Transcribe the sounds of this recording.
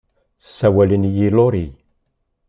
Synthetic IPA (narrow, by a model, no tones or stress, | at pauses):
sæwælənjiloɾi